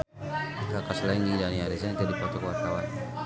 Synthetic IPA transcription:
kakaslaindidaniaɾɛzat̪adipat̪ɔkwat̪awa̰n

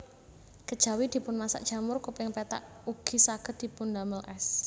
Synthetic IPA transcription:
kəd̥ʒ̥a̤wid̪̥i̤pʊnmasa̰ʔd̥ʒ̥a̤mʊrkupɪŋpɛt̪a̰ʔ | uɡ̥i̤saɡ̥ə̤t̪̚d̪̥i̤pʊnd̪aməlʔɛs

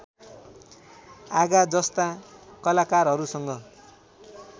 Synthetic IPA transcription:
aɡad͡zʌst̪akʌlakarɦʌɾusʌŋɡʌ

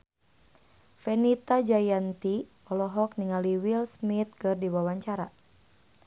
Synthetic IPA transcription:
fɛnit̪ad͡ʒajant̪i | ɔlɔɦɔk̚niŋaliwilsmit̪̚kɨrdiwawaɲt͡ʃaɾa

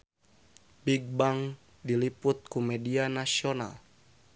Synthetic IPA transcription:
biɡ̚baŋ | dilipʊt̪̚kumɛdianasiona̰l

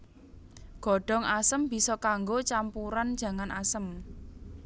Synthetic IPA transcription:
ɡ̥ɔ̤ɖ̥ɔ̤ŋʔasəmb̥i̤sɔkaŋɡot͡ʃampuɾand̥ʒ̥ä̤ŋanʔa̰səm

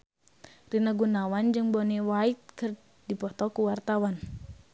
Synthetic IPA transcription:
rinaɡunawand͡ʒɨŋbɔniwait̪̚kɨr | dipɔt̪ɔkuwart̪awan

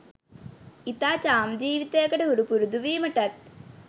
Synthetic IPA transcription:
it̪aːt͡ɕaːmd͡ʑiːʋit̪eːkɐɽeɦuɾupuɾud̪uʋiːmɐʈɐt̪̚

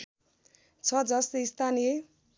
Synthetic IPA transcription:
t͡sʰʌd͡zʌsist̪ʰanije

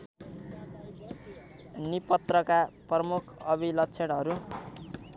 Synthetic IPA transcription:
nipʌt̪rʌkaprʌmukʰʌbʱilʌtt͡sʰeɽɦʌɾu

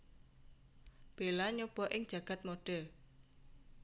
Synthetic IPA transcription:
b̥elaɲob̥ɔʔɪŋd̥ʒ̥ä̤ɡ̥a̤t̪̚moɖ̥ɛl

